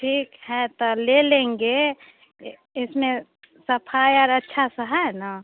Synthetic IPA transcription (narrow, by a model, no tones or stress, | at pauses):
ʈʰiːkhɛt̪ɔlelẽːŋɡe | ɪsmẽ | səpʰaːjɔːɾətːʃʰasəɦana